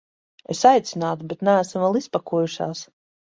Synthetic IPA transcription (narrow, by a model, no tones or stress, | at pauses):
esajt̪sʲinaːt̪ubet̪næːsmvalˠispakuɔjuʃa̰ːs